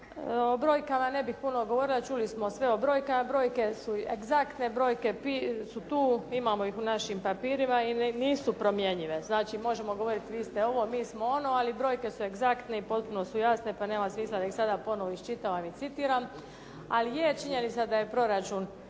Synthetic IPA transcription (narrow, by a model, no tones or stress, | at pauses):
obɾo̞ːjkamane̞bixpuno̞ɡo̞ʋo̞ɾilat͡ʃuːlismo̞sʋe̞o̞bɾo̞ːjkamabɾo̞ːjke̞sueɡzakt̪ne̞bɾo̞ːjke̞pisut̪uːimaːmo̞ixunaʃimpapiːɾimainiːsupɾomje̞ɲiʋe̞znaːt͡ʃimo̞ʒe̞mo̞ɡo̞ʋo̞ɾit̪ʋiːst̪eo̞ʋo̞miːsmo̞o̞no̞alibɾo̞ːjke̞sue̞ɡzakt̪neipo̞t̪̚puno̞sujasne̞pane̞ːmamsmiːslad̪aixsad̪apo̞no̞ʋoiʃt͡ʃit̪aʋamit̪sit̪iːɾam | a̰lijet͡ʃiɲe̞nit̪sad̪aje̞pɾo̞ɾat͡ʃun